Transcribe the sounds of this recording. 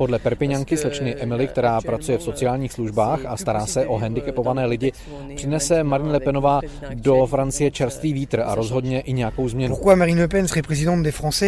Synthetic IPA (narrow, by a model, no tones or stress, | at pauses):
podlɛpɛɾpɪɲaŋkɪslɛt͡ʃnɪʔɛmɪlɪk̚t̪ɛɾaːpɾat͡sujɛfso̞t͡sɪjaːlɲiːxsluʒbaːxast̪aɾaːsɛʔo̞ɦɛndɪkɛpo̞vanɛːlɪɟɪ | pr̥ɪnɛsɛmaɾɪɲlɛpɛno̞vaː | do̞fɾant͡sɪjɛt͡ʃɛɾst̪viːviːt̪r̩a̰ɾo̞zɦo̞dɲɛʔɪɲɛjako̞wzmɲɛnuuʁkwamaʁinləpɛnsʁɛpχɛzid̪ɑ̃t̪̚d̪ɛfχɑ̃sɛ